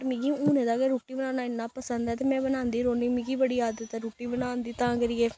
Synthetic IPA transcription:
ɾmĩɡiũːnẽːd̪aːɡeɾuːʈːiːbənãːnaːɪnːãːpəsənd̪ɛːt̪̬emɛ̃ːbənãːnd̪iːɾoːnĩːmĩɡiːbəɽiːjaːd̪et̪ːaɾuːʈːiːbənaːnd̪iːt̪ãːɡəɾiːeː

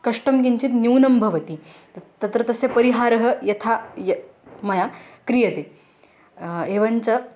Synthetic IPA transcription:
kɐʂʈɐmkiɲt͡ɕiːt̪njuwnɐmbʱɐʋɐt̪i | t̪ɐt̪ɾɐt̪ɐsepɐɾiɦaːɾɐɦɐ̆jɐt̪ʰajɐmɐjakɾijɐt̪e | eːʋɐɲt͡ɕɐ

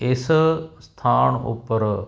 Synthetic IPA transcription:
ɪsst̪ʰaːɳṵpəɾ

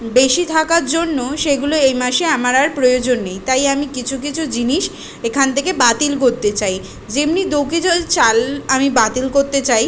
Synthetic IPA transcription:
beʃit̪ʰakaɾd͡ʑonːoʃeɡuloejmaʃeamaɾaɾpɾojod͡ʑonːejt̪ajamikit͡ɕʰuk̬it͡ɕʰud͡ʑiniʃ | ekʰant̪ʰekebat̪ilkoɾt̪et͡ɕaj | d͡ʑemnid̪okid͡ʑat͡ɕalamibat̪ilkoɾt̪et͡ɕaj

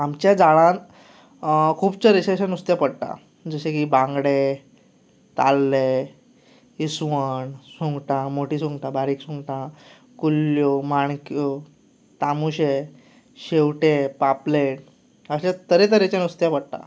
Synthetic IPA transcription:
amt͡ɕjad͡zaɭãn | kʰuːbt͡səɾeɕaɕanust̪japəɽʈ̪a̰ | d͡zəɕekiːbãŋɡɽe | t̪a̰lːe | isʋəɳsuŋɡʈãmoʈiːsũŋɡʈãbaɾiːksũŋɡʈã | kulːjomaɳkjo | t̪amuɕe | ɕewʈepapleʈ | əɕãt̪əɾẽt̪əɾet͡ɕjanust̪japəɽʈ̪ã̰

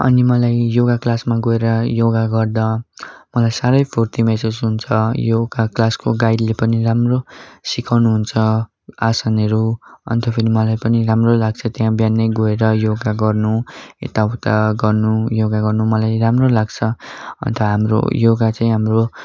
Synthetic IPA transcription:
ʌ̰nimʌlajjoɡaklasmaɡoeɾʌjoɡaɡʌrd̪amʌlajsaɾʌjpʰort̪imesed͡zɦunt͡sʰʌjoɡaklaskoɡajd̪lepʌniramrosikawnuɦunt͡sʰʌ | asaneɾuʌ̰nt̪opʰeɾimʌlajpʌniramrolaɡ̚t͡sʰʌt̪jãbjanːʌjɡoeɾʌjoɡaɡʌrnuḛt̪awt̪aɡʌrnujoɡaɡʌrnumʌlajramrolaɡt͡sʰʌʌ̰nt̪ʰʌɦamro̰joɡat͡saĩɦamro

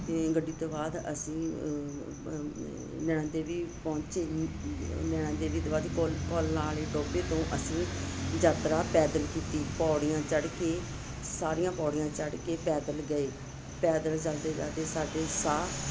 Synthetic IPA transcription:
ɡəɖːiːt̪õːbaːd̪ə̰sĩː | nɛ̃ːɳãːd̪eːʋiːpɔ̃ːɲt͡ʃeː | nɛːɽãːd̪eːʋiːt̪oːbaːd̪ikolkɔːlnaːleːʈoːpeːt̪õːʔəsĩːd͡ʒaːt̪ɾaːpɛːd̪əlkiːt̪iːpɔːɽɪjãːt͡ʃəɽkeː | saːɾijãːpɔːɽɪjãːt͡ʃəɽkeːpɛːd̪əlɡəeː | pɛːd̪əlt͡ʃəld̪eːd͡ʒa̰ːd̪eːsaːɖeːsaː

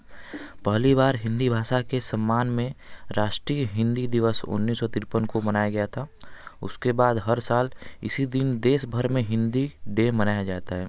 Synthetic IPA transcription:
pəɦlibaːɾɦɪ̃nd̪ibʱaːʃakesəmːaːnmẽɾaːʃʈɾijəɦɪ̃nd̪id̪ɪʋəsʊ̰nːiːsːɔt̪ɪɾpənkomənaːjaɡɐjat̪ʰaʊ̰skebaːd̪ɦəɾsaːlɪ̰sid̪ɪnd̪eːsbʱəɾmẽɦɪ̃nd̪iɖemənaːjad͡ʒaːt̪aɦɛː

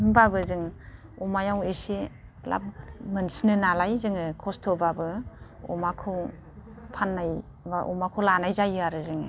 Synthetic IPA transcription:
mbabɯzɯŋ | ɔmajawesi | la̰b̚mɯnsinɯnalajzɯŋɯkʰɔstʰɔbabɯɔ̰makʰɯw | pʰanːaj | baʔɔ̰makʰɯwlanajzajɯaɾɯzɯŋ

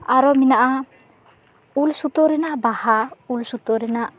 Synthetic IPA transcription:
aɾɔminaʔa | ulsut̪ɔɾɛnaʔbahaulsut̪ɔɾɛnaʔ

